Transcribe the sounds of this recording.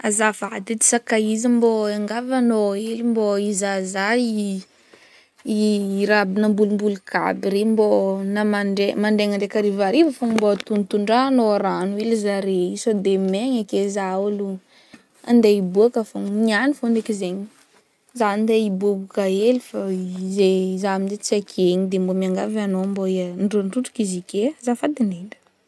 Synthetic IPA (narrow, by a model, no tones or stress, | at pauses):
azavad̪id̪i̥sakaizamboaŋɡavanoelimboizazai | iɾabinəmbulumbuluka̰biɾembonamaɳɖ͡ʐemaɳɖ͡ʐeŋaɳɖ͡ʐekaɾivaɾivəfamboat̪unt̪uɳɖ͡ʐaːnoaɾanuilizaɾeisod̪emeɲakezaulu | and̪eibuakəfamianifonekizeɲi̥ | zanind̪eibubukaelifazezaminzet͡sakʰeɲid̪embomiaŋɡavanomboeɳɖ͡ʐoɳɖ͡ʐuʈ͡ʂu̥kizikezafad̪iniɳɖ͡ʐə̥